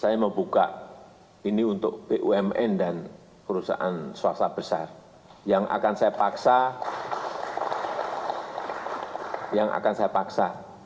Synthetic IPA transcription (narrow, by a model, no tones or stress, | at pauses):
sajaməmbuka̰ʔ | iniunt̪ʊk̚b̥eʔuɛmɛ̰ndan | pəɾusa̰ʔanswasab̥əsa̰r | jaŋʔa̰kansajapaksa | jaŋʔa̰kansajapaksa